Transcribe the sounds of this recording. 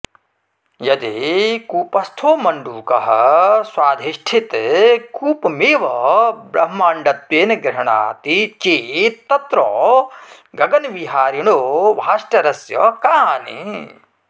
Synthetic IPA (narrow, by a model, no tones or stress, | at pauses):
jɐd̪eːkuːpɐst̪ʰoːmɐɳɖuːkɐɦɐswaːd̪ʱiʃʈʰit̪kuːpmeːʋɐbɾɐɦmaːɳɖɐt̪weːnɐɡɾɐɦɐɳa̰ːt̪it͡ʃeːt̪ːɐt̪ɾɔː | ɡɐɡɐnʋiɦaːɾiɳoːʋaːʃʈɐɾɐsjɐ̰kaːnḭ